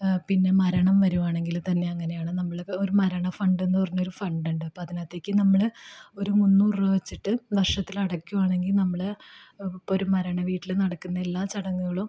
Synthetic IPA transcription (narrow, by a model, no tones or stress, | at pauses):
pinːe̞mɐɾɐɳɐmʋɐɾuʋaːɳe̞ŋɡilt̪ɐnːe̞ɐŋːɐne̞jaːɳɨnɐmːɐɭoɾumɐɾɐɳɐfɐɳɖe̞nːɨpɐrɐɲːo̞ɾufɐɳɖuɳɖɨpoɐðinaːt̪ːe̞ːkʲːɨnɐmːɐɭo̞ɾumunːuːrɨʋɐt͡ɕːiʈːɨʋɐrʂɐt̪ːilɐɽɐkʲːuʋaːɳe̞ŋɡilnɐmːɐɭ | po̞ɾumɐɾɐɳɐʋiːʈːilenɐɽɐkːunːɐelːaːt͡ɕɐɽɐŋːuɣɐɭum